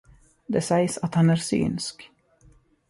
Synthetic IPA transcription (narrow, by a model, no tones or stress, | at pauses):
d̪ɛsɛjsat̪hanæɾsy̰ːnsk